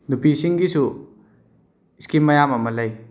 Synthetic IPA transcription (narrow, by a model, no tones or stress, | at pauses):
nupisiŋɡisu | iskimɐjamɐmɐlɐj